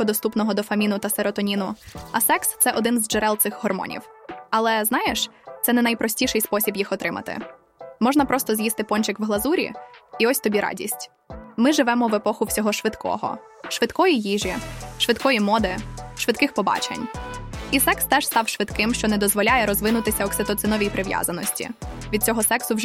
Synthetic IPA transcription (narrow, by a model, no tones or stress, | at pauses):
ɔd̪ɔst̪upnɔɦɔd̪ɔfɐmʲinʊt̪ɐsɛɾɔt̪ɔnʲinʊɐsɛkst̪sɛʔɔd̪ɪnzd͡ʒɛɾɛlˠt̪sɪxɦɔrmɔ̰nʲḭwɐlˠɛznɑjeʃt̪sɛnɛnɐjpɾʔɔsʲtʲiʃɛjspɔsʲibjixɔt̪ɾɪmɐ̰t̪ɪ̰ | mɔʒnɐpɾɔst̪ɔzʲjist̪ɪpɔnʲt͡ʃɪkʋɦlˠɐzuɾʲḭiɔsʲt̪ɔbʲiɾɑ̰dʲḭsʲtʲ | mɪʒɪʋɛmɔʋepɔxʊwsʲɔɦɔʃʋɪt̪kɔ̰ɦɔ̰ | ʃʋɪt̪kɔjijiʒʲiʃʋɪt̪kɔjimɔd̪ɪʃʋɪt̪kɪxpɔbɑ̰t͡ʃḛnʲisɛkst̪ɛʃst̪ɑwʃʋɪd̪kɪmʃt͡ʃɔnɛd̪ɔzʋɔlʲajɛɾɔzʋɪnʊt̪ɪsʲɐɔksɪt̪ɔt̪sɪnɔʋʲijpɾɪʋʲja̰zɐnɔsʲtʲḭʋʲid̪̚t͡sʲɔɦɔsɛksʊwʒ